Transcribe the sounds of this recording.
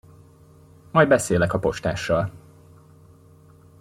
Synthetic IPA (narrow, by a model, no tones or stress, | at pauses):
mɒjd̪̚bɛseːlɛkɒpo̞ʃt̪a̰ːʃːɒl